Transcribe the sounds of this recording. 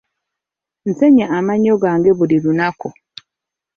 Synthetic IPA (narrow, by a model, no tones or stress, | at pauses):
n̩se̞ɲaːmaɲoɡaːŋɡe̞βulilunaku